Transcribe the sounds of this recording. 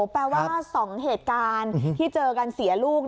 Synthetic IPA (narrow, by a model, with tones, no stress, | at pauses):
pɛː˧waː˥˧˩sɔː˩˦ŋɦeː˨˩t̪̚kaː˧nt̪ʰiː˥˩t͡ɕɤː˧ka˧nsi˨˩˦ɐluː˥˩k̚